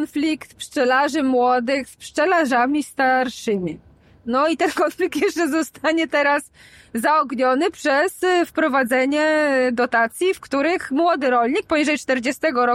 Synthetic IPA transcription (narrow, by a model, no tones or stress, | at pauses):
nflʲikt̪pʂt͡ʂɛlaʐɘmwɔd̪ɘxspʂt͡ʂɛlaʐamʲist̪aɾʂɘmʲi | nɔit̪ɛnkɔnflʲik̚t̪jɛʂt͡ʂɛzɔst̪aɲɛt̪ɛɾaszaɔɡɲɔnɘpʂɛsfpɾɔvad̪zɛɲɛd̪ɔt̪at̪sʲjifkt̪uɾɘxmwɔd̪ɘɾɔlʲɲik̚pɔɲiʐɛjt͡ʂt̪ɛɾd͡ʑɛst̪ɛɡɔɾɔ